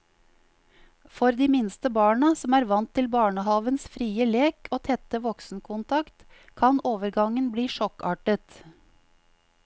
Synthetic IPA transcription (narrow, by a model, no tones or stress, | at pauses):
fɔɾd̪iːmɪnst̪əbɑːɳəsɔmæːɾʋɑnt̪ʰːɪlbɑːɳəhɑːʋənsfɾiːəleːkʰoːt̪ʰɛt̪əʋɔksn̩kʰʊnt̪ʰɑkt̪ | kʰɑnoːʋəɾɡɑŋənbliːʃɔkɑ̰ːʈət̪